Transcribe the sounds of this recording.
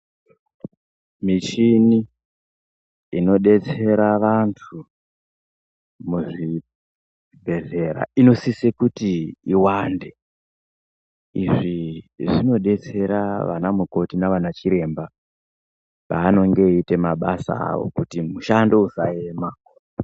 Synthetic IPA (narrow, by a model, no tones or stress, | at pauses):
mit͡ʃini | ino̞ɗe̞t͡se̞ɾaʋantʰu | muʐi | bʱe̞ze̞ɾa̰ino̞sisekutiiwande̞ | ḭʐiʐino̞ɗe̞t͡se̞ɾaʋa̰namuko̞tinaʋanat͡ʃiɾe̞mba | paːno̞ŋɡe̞itemaɓasa̰a̰o̞̰kutimuʃando̞usae̞ma